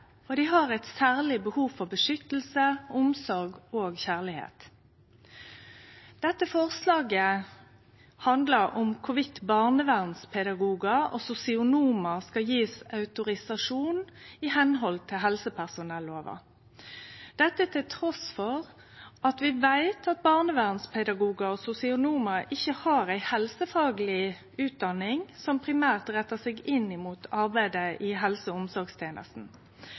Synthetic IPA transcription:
ɔd̪ɪɦɑʁɛɪt̪sæːʁlɪbəhuːfɔʁbəʂʏt̪l̩səʊmsɔʁɡoːɡçæːʁlɪhḛːt̪ | d̪̥ɛt̪ːəfɔʁslɑːɡə | hɑnd̪ləʁʊmkʰʊʋɪt̪ːbɑʁnəʋæʁnspʰɛd̪ɑɡuːɡɑɔ̰sʊsɪʊnuːməskɑjiːsɑʉt̪ʊʁɪsɑʂuːnɪhɛnɦɔlt̪ʰɪlɦɛlsəpʰæʁsʊnɛlːoːʋɑ̰ | d̪̥ɛt̪ːət̪ʰɪlt̪ʰʁɔsfɔʁ | ɑt̪ʋɪʋæɪt̪ʰɑt̪̚bɑʁnəʋæːʁnspʰɛd̪ɑɡuːɡɑɔsʊsɪʊnuːmɑʔɪçːəhɑːɾæɪhɛlsəfɑːɡəlɪ | ʉːt̪̚d̪ɑnːɪŋsɔmpʰɾɪmæːʁt̪ʁɛt̪ːəsɛɡɪnɪmuːt̪ʰɑʁbæɪd̪əʔɪɦɛlsəʊmsɔɾɡst̪ʰeːnə̰st̪n̩

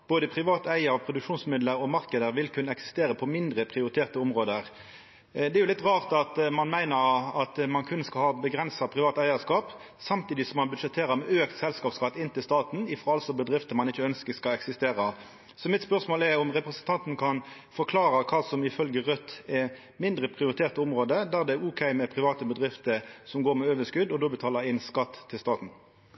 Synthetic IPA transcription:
b̥oːd̪əpʰʁɪʋɑːt̪æɪəɾɔpʰʁʊd̪ʉkʂuːnsmɪd̪ləɾɔmɑʁkəd̪əɾʋɪlkʰʉnːəɛksɪ̥st̪eːʁəpʰɔmɪnd̪ʁəpʰʁɪʊɾɪt̪ʰeːʁt̪əʊmʁoːd̪əɾ | d̪ɛɾjʊlɪt̪ʁɑːʁt̪ɑt̪mɑnmæɪnəʁɑt̪mɑnkʰʉnːəskɑlhɑːbəɡʁɛnsɑpʰʁɪʋɑːt̪æɪəskɑːp | sɑmt̪iːd̪ɪsɔmɑnbʉd̪ʂɛt̪ʰeːɾəɾmɛøːkt̪sɛlskɑːpskɑt̪ːɪnt̪ɪlst̪ɑːt̪n̩ɪfʁɑɑlsɔbəd̪ʁɪft̪əmɑnɪçːəœnskəskɑlɛksɪst̪eːʁɑ | sɔmɪt̪spœʁsmoːlɛʁʊmʁɛpʁɛsənt̪ʰɑnt̪n̩kʰɑn | fɔkʰlɑːɾɑkʰɑːsɔmɪfœlɡəʁœt̪ːɛ | mɪnd̪ʁəpʰʁɪʊɾɪt̪ʰeːʁt̪əʊmʁoːd̪əd̪æːʁd̪ɛæɾʊːkʰæɪmɛpʰʁɪʋɑːt̪əbəd̪ʁɪft̪əɾsɔmɡoːʁmɛøːʋəskʉd̪ɔd̪ɔbət̪ʰɑːləɾɪnskɑt̪ʰːɪlst̪ɑːt̪n̩

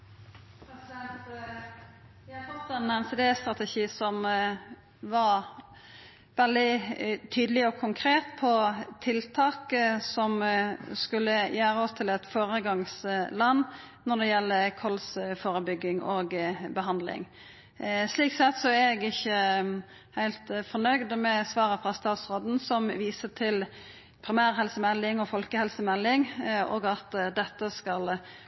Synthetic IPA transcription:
æɛt̪ | jæhɑfɔt̪ːɛnɛmseːd̪eːst̪ɾɑt̪əʃiːsɔm | ʋɑɾ | ʋɛld̪ɪt̪ʰyːd̪əlɪɔkʰʊŋkʰɾeːt̪pʰɔt̪ʰɪlt̪ʰɑːksɔmskʉlːəjæːɾəɔst̪ʰɪlɛt̪foːɾəɡɑŋslɑnː | nɔd̪ɛjɛlːəkʰɔlsfoːɾəbʏɡːɪŋoɡbəɦɑnd̪lɪ̰ŋ | sliːk̪̚sɛt̪sɔæɛɡɪçːə | hæɪlt̪fɔnœʏd̪mɛsʋɑːʁəfɾɑst̪ɑːt̪sʁoːd̪n̩sɔmʋiːsət̪ʰɪl | pʰɾɪmæːɾɦɛlsəmɛlːɪŋɔfɔlkəhɛlsəmɛlːɪŋɔ̰ɡɑt̪d̪ɛt̪ːəskɑl

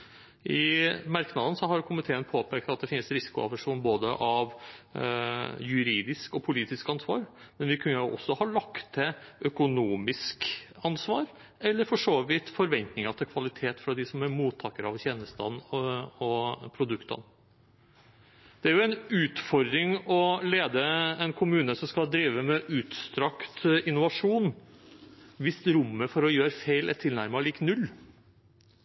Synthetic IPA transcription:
ʔɪmɑɾknɑd̪ən̩sɔɦɑɾkʰʊmɪt̪ʰeːənpʰoːpʰeːkɑt̪̚d̪ɛfɪnsɾɪsɪ̥kʊɑ̰ʋəʂuːnboːd̪əʔɑʋ | jʉɾiːd̪ɪskɔpʰʊliːt̪ɪskɑnsʋɑ̰ːɾ | mɛnʋɪkʰʉnːəʔɔ̰sːɔhɑɭɑkt̪ʰːɪœkʊnuːmɪskɑnsʋɑːɾ | ɛlːəɾfɔʂoːʋiːt̪fɔɾʋɛnt̪nɪŋɑt̪ʰɪlkʰʋɑlɪt̪ʰeːt̪fɾɑd̪ɪsɔmæɾmuːt̪ʰːɑːkəɾɑʋçɛːnəst̪ɑ̰d̪nɔpʰɾʊd̪ʉkt̪ɑ̰n | d̪̥ɛæɾjʊɛnʉːt̪fɔɾd̪ɾɪŋɔleːd̪əɛnkʰʊmʉːnəsɔmskɑd̪ɾiːʋəmɛʔʉːt̪st̪ɾɑkt̪ɪnːʊʋɑʂuːn | ʋɪsɾʊmːəfɔɾɔjøːɾfeɪlæ̰ʈʰɪlnæɾmɑɭiːknʉlː

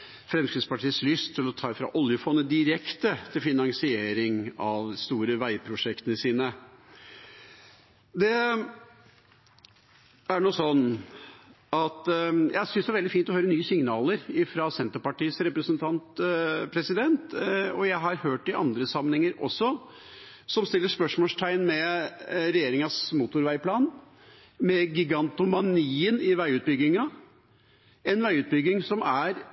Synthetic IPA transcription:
fɾɛmskɾɪt̪spɑʈʰiːəslʏst̪ʰːɪlɔt̪ʰɑːfɾɑ̰ʔɔljəfɔnːəd̪ɪɾɛkt̪ət̪ʰɪlfɪnɑŋsɪeːɾɪŋɑʋst̪uːɾəʋæɪpʰɾʊʂɛkt̪ənəsiːnə | d̪ɛ | æɳuːsɔnː | ɑt̪jæɪsʏnsd̪ɛæɾʋɛld̪ɪfiːnt̪ɔhøʏɾənyːəsɪŋnɑːləɾɪfɾɑsɛnt̪əɾpɑʈiːsɾɛpɾəsənt̪ʰɑnt̪pʰɾɛsɪd̪ɛnt̪ɔjæɪɦɑɾhøːʈɪʔɑ̰nd̪ɾəsɑmnɛŋəɾɔ̰sːɔ | sɔmst̪ɪlːəʂpœʂmɔːʂt̪ʰæɪnmɛɾɛjeːɾɪŋɑsmut̪ʊɾʋæɪpʰlɑːn | mɛɡʏɡɑnt̪ʊmɑniːənɪʋæɪʉːt̪̚bʏɡɪŋɑ | ɛnʋæɪʉːt̪̚bʏɡɪŋsɔmæɾ

